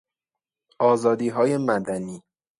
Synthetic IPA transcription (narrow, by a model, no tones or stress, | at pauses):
ʔɒːzɒːd̪iːɦɒːjemæd̪æniː